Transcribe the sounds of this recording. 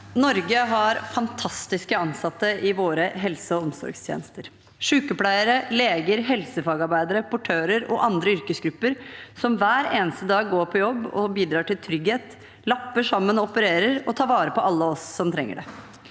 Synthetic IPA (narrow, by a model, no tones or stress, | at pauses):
nɔɾɡəɦɑɾfɑnt̪ʰɑst̪ɪskəɑnsɑt̪ːəʔɪʋoːɾəɦɛlsəɔɔmsɔ̰ɾɡst̪ʰjḛːnəst̪əɾ | ʂʉːkəpʰlæɪəɾəleːɡəɾɦɛlsəfɑːɡɑɾbæɪd̪əɾəpʰʊʈʰøːɾəɾɔ̰ʔɑnd̪ɾəʏɾkəsɡɾʉpːəɾsɔmʋæːɾeːnəst̪əd̪ɑːɡɡoːɾpʰɔjɔbːɔ̰biːd̪ɾɑːʈɪlt̪ʰɾʏɡheːt̪ | lɑpːəʂɑmːənɔɔpəɾeːɾəɾɔt̪ʰɑːɾʋɑːɾəpɔɑlːəɔsːɔmt̪ʰɾɛŋːə̰ɖɛ̰